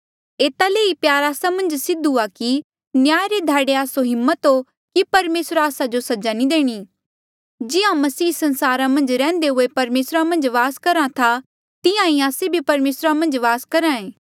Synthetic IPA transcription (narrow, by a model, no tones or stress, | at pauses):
eːt̪aleːipjaːɾaːsamɐ̃nd͡ʒsɪd̪uaki | njaːjɾed̪ʱaːɽeaːsoɦɪmːət̪ɦo | kipɐɾmeːsɾaːsad͡ʒosɐd͡ʒanid̪eːɽ̃i | d͡ʒɪãmɐsiːsɐ̃nsaːɾãmɐ̃nd͡ʒɾɛ̃ːnd̪eɦʊepɐɾmeːsɾamɐ̃nd͡ʒʋaːskɐɾãt̪ʰa | t̪ɪjãĩaːsebʱipɐɾmeːsɾamɐ̃nd͡ʒʋaːskɐɾãẽː